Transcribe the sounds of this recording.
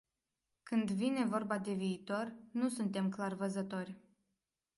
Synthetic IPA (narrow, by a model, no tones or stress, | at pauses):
kɨnd̪vine̞vo̞rbad̪e̞viːt̪o̞rnusunt̪e̞mklarvəzət̪o̞rʲ